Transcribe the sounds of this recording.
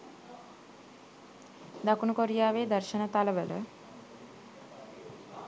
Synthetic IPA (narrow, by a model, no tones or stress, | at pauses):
d̪akunukoɾijaːʋeːd̪əɾʃənət̪aləʋələ̰